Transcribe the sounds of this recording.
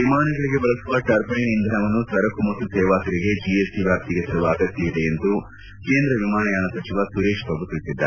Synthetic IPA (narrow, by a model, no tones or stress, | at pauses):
ʋimaːnɐɡɐɭiɡe̞bɐlɐsuʋɐʈɐɾpɐjnind̪ʱɐnɐmɐnːusʋɐɾɐkumɐt̪ːusɛːʋaːsɐɾiɡe̞d͡ʒiesiʋjaːp̚t̪iɡesɐɾuʋaːɡɐt̪jɐid̪eːnt̪u | keːnd̪ɾɐʋimaːnɐjaːnɐsɐt͡ʃiʋɐsuɾeːʃt̪ɐbut̪iɭsid̪ːa̰ːɾe